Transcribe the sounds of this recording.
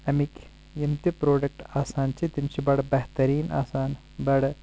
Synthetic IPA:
ɐmik | jimt̪ipɾoːɖɐk̚ʈaːsaːnt͡ʃʰit̪imt͡ʃʰibɐɽbɐɦt̪ɐɾiːna̰ːsaːn | bɐɽ

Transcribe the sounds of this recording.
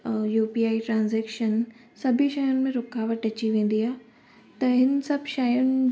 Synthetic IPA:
juːpiaːiʈɾãːnzɛːkʃən | sɐbʱiʃaːjʊnɪ̆mẽɾʊkaːʋəʈɐt͡ɕiʋẽːn̆d̪iaːɦɪ | t̪ɐɦɪnsɐbʱʃaːjʊnɪ̆

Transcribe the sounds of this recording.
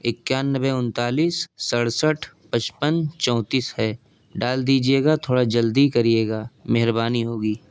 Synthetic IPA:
ɪkːjaːnːəbeʊnt̪aːliːsːəɽsəʈʰ | pət͡ʃpənt͡ʃɔ̃ːt̪iːshɛː | ɖaːld̪iːd͡ʒieːɡat̪ʰoːɽad͡ʒəld̪ikɐɾieːɡaːmɛɦɾbaːniɦoːɡiː

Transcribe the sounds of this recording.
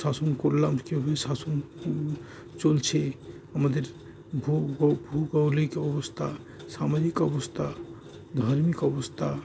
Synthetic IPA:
sasonkoɾlamkeɦoesason | t͡ʃolt͡ɕʰe | amad̪eɾ | bʱubʱuɡɔwlikɔbost̪ʰa | samaɾikɔbost̪ʰa | d̪ʱaɾmikɔbost̪ʰa

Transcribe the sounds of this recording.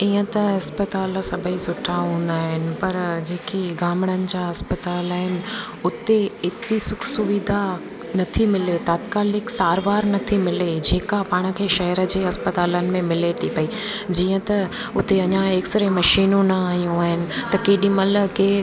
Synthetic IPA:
iːə̃t̪ɐɐspɐt̪aːl̆sɐbʱəisʊʈʰaɦũːn̆d̪aːɦɪnɪ̆pɐɾd͡ʑeːkiɡaːmɪɽ̃ənɪ̆d͡ʑaːɦɐspɐt̪aːlaːɦɪnɪ̆ | ʊt̪eɪt̪ɪɾisʊkʰsʊʋid̪ʱa | nɐt̪ʰimɪlet̪aːt̪kaːlɪksaːɾʋaːɾnɐt̪ʰimɪled͡ʑeːkapaːɽ̃ə̆kʰeːʃɐɦəɾə̆d͡ʑeːɐspɐt̪aːlənɪ̆mẽmɪlet̪ʰipɐid͡ʑiːə̃t̪ɐ | ʊt̪eɐɲãeːksɾemɐʃiːnõnɐaːɦijũaːɦɪnɪ̆t̪ɐkeːɗĩmɐləkeː

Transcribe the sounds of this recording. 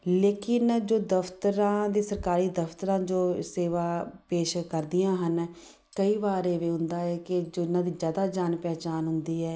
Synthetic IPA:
leːkɪnd͡ʒoːd̪əft̪əɾãːd̪eːsəɾkaːɾiːd̪əft̪əɾãːd͡ʒoːseːʋaːpeːʃkəɾd̪ɪjãːɦən | kəiːʋaːɾeːʋeːɦʊnd̪aːɛːkɪd͡ʒoːɪnãːd̪iːzjaːd̪aːd͡ʒaːnpɛːt͡ʃaːnɦʊnd̪iːɛː

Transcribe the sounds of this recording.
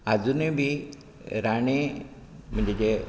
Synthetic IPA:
ad͡zunebʱi | ɾaɳ̃e | m̤ə̃ɲd͡ʑed͡ʑe

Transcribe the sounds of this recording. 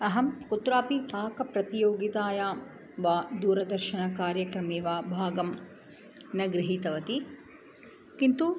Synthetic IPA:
ɐɦɐmkut̪ɾaːpit̪aːkɐpɾɐt̪ijoːɡit̪aːjaː | ʋaːd̪uːɾɐd̪ɐɾʃɐnɐkaːɾjɐkɾɐmeːʋaːbʱaːɡɐm | nɐɡɾiɦit̪ɐʋɐt̪i | kint̪u

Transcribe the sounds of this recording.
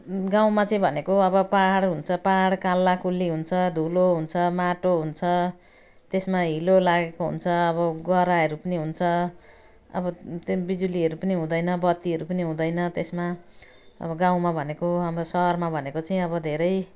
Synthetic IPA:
ɡãw̃mat͡sʌĩbʱʌnekoʌbʌpaɽɦunt͡sʰʌpaɦɽkalːakulːiɦunt͡sʰʌd̪ʱuloɦunt͡sʰʌmaʈoɦunt͡sʰʌ | t̪esmaɦilolaɡekoɦṵnt͡sʰʌːβʌɡʌɾaɦʌɾupʌniɦunt͡sʰʌ | ʌ̰bʌbid͡zuliʌɾupʌniɦũd̪ʌjnʌbʌt̪ːiɦʌɾupʌniɦũd̪ʌjnʌt̪esma | ʌ̰bʌɡãw̃mabʱʌnekoʌbʌsʌɦʌrmabʱʌnekot͡sʌĩʌbʌd̪ʱeɾʌj

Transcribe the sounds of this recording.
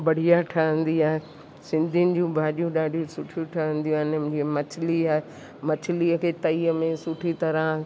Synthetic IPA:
bɐɽ̤ijaʈʰɐɦə̃nd̪iaːɦe | sɪ̃nd̪ʱinɪ̆d͡ʑũbʱaːɗijũɗaːɖʱijũsʊʈʰijuʈʰɐɦə̃nd̪ijũanɪ̃d͡ʑimɐt͡ɕʰɪliaːɦe | mɐt͡ɕʰɪliəkʰeːt̪ɐiːəmẽsʊʈʰit̪ɐɾə̃

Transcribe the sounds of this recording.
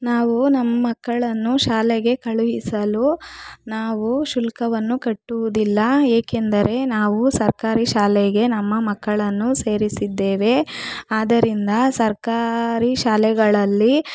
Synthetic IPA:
naːʋunɐmːɐmɐkːɐɭɐnːuʃaːlɛɡe̞kɐɭuʋisɐlunaːʋuʃulkɐʋɐnːukɐʈːuʋud̪ilːɐeːkend̪ɐɾʔe̞naːʋusɐɾkaːɾiʃaːlɛɡe̞nɐmːɐmɐkːɐɭɐnːuseːɾisid̪ːeːʋe̞aːd̪ɐɾind̪ɐsɐɾkaːɾiʃaːlɛɡɐɭɐlːi

